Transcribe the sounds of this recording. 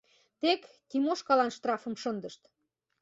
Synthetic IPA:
t̪ekːimoʃkɑlɑnʃt̪rɑfə̆mʃə̆nd̪ə̆ʃt̪

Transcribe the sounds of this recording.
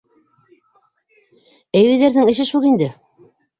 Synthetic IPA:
æjwɘ̆ðæɾðɘŋɘ̆ʃɘʃulˠind̪ɘ

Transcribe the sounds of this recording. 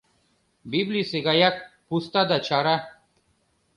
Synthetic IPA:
biblisiɡajak̚pust̪ad̪at͡ʃʰaɾa

